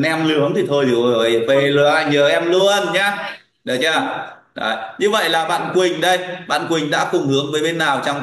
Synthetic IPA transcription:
nʔɛ˧mlɨ˨˦əŋt̪ʰi˨˩t̪ʰo˧jɨ˨˩˨o˨˩jve˨˩lɨ˧˩ʔaː˧˩jɲəː˨˩ʔɛ˧mlu˧ənɲaː˧˥ | ɗə˨˩t͡ɕaː˧˩ | ɗə̰ː˨˩jɲɨ˧və̰˧˨jlaː˨˩ɓa̰ː˧˨nkwï˨˩ŋ̟ɗə˧jɓa̰ː˧˨nkwï˨˩ŋ̟ɗa̰ː˧˥kʊ˨˩ŋ͡mhɨ˨˦əŋvəː˨˦jɓe˧nːaː˨˩wt͡ɕɔ˧wŋ͡m

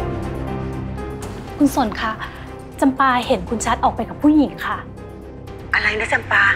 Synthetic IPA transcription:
kʰu˧nso˩˦nkʰa˦˥˩ʔ | t͡ɕa˧mpaː˧he˨˩˦nkʰu˧nt͡ɕʰa˦˥t̪̚ʔɔː˨˩k̚pa˧jka˨˩pʰːuː˥˩ji˨˩˦ŋkʰa˦˥ʔ | ʔa˧ɾa˧jna˦˥t͡ɕa˧mpaː˧

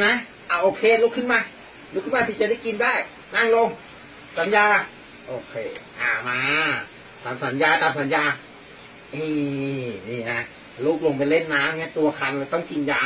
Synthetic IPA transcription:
na˦˥ | ʔaː˧˩ʔoː˧˩kʰeː˧luː˦˥kʰːɯ˥˩nmaː˧ | lu˦˥kʰːɯ˥˩maː˧sʰi˧˩t͡ɕa˧˨˦daː˥˩jki˧ndaː˥˩j | na˥˩ŋlo˧ŋ | sa˨˦njaː˧ka˧˩ | ʔoː˨˩kʰeː˧˩ʔaː˨˧˩maː˧ | t̪ʰaː˨˧msa˨˦njaː˧t̪aː˧msa˨˦njaː˧ | ʔiː˧˩niː˧˩na˦˥ | luː˦˥˩k̚lo˧ŋp̬a˧jle˥˩nːaː˦˥mŋi˦˥˩ɐt̪u˧ɐkʰa˧nlaː˧jt̪ɔ˥˩ŋki˧njaː˧˥

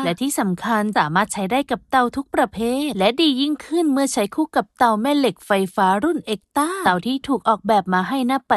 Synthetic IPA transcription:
lɛ˦˥t̪ʰiː˥˩sa˩˦mkʰa˧nsaː˩˦maː˥˩t̪̚t͡ɕʰa˦˥jdaː˥˩jka˨˩p̚t̪a˧wt̪ʰu˦˥k̚pɾa˧pʰeː˥˩t̪lɛ˦˥diː˧ji˥˩ŋkʰɯ˥˩nmɯ˥˩ət͡ɕʰa˦˥jkʰuː˥˩ka˨˩p̚t̪a˧wmɛː˥˩le˨˩k̚fa˧jfaː˦˥ɾu˥˩nʔeː˨˧˩k̚t̪a˥˩t̪a˨˩wt̪ʰiː˥˩t̪ʰuː˨˩k̚ʔɔː˨˩k̚bɛː˨˩p̚maː˧ɦa˥˩jnaː˥˩pːa˨˩

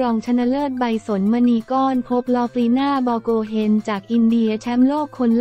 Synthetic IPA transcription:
ɾɔː˧ŋt͡ɕʰa˧na˧lɤː˥˩tt̪̚ba˧jso˩˦nma˧niː˧kɔː˥˩npʰo˦˥p̚lɔː˦˥kliː˧naː˥˩bɔː˧koː˧ɦe˧nt͡ɕaː˨˩k̚ʔi˧ndi˧ɐt͡ɕʰɛ˦˥mloː˥˩kʰːo˧n

